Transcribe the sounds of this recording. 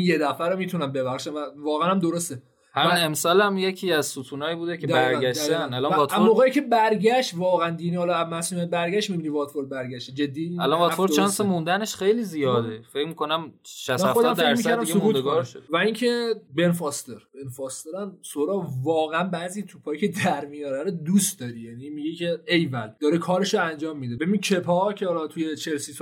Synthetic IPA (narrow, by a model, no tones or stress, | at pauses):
injed̪æfæɾomiːt̪ʰunæmbe̞bæxʃænvævɒːɣeænæmd̪oɾost̪e | hæminemsɒːlæmjecʰiːæzsuːt̪ʰuːnɒːjibuːd̪ekʰed̪bæɾɡæʃd̪t̪ænælɒmmvɒːt̪æomoɣeːjicʰʲe̞bæɾɟæʃt̪vɒːɣæænd̪inihɒlɒæmæsumæbæɾɡæʃt̪mibiːniːvɒt̪foɾd̪̚bæɾɡæʃt̪ed͡ʒe̞d̪ːiælɒnvɒːt̪foɾt͡ʃɒnsemũnd̪æneʃxejliːzijɒːd̪efecmikonæmʃæsmææxod̪æmfemiæɾd̪æimesouːt̪eɡɒɾʃvæincʰe̞be̞nfɒst̪eɾb̥enfɒst̪eɾæmsoɾɒːvɒːɣeænbæːziːt̪ʰupʰɒːjicʰed̪æɾmijɒːɾæɾod̪ust̪d̪ɒːɾijænimiɡecʰe̞ejvæld̪̥ɒːɾekʰɒːɾe̞ʃoænd͡ʒɒːmːid̪ebebincʰepʰɒːcʰehɒlɒt̪ʰujet͡ʃʰe̞lsis